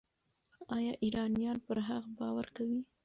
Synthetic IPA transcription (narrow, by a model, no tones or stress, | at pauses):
ɑjɑʔiɾɑnijɑnpəɾɦaɣbɑwaɾkawi